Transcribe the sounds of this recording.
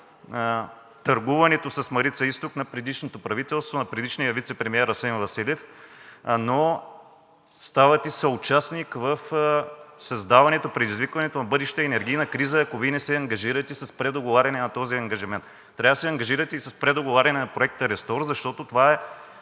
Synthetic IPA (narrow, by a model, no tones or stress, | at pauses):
t̪ɐɾɡuvɐnɛt̪osɐsmɐɾit̪sɐist̪oknɐpɾɛd̪iʃnot̪opɾɐvit̪ɛlˠst̪vonɐpɾɛd̪iʃnijəvit̪sɛpɾɛmiɛɾɐsɛnvɐsilɛf | no | st̪avɐt̪isɐʊt͡ʃasnikvəf | sɐzd̪avɐnɛt̪opɾɛd̪izvikvɐnɛt̪onɐbɤd̪ɛʃt̪ɛɛnɛɾɡʲijnɐkɾizəɐkovinɛsɛɐŋɡɐʒiɾɐt̪ɛisɐspɾɛd̪oɡovaɾʲɐnɛnɐt̪ɔziɐŋɡɐʒimɛnt̪ːɾʲavɐsɛɐŋɡɐʒiɾɐt̪ɛisɐspɾɛd̪oɡovaɾʲɐnɛnɐpɾoɛk̚t̪əɾɛst̪ɔɾzɐʃt̪ɔt̪ot̪ovaɛ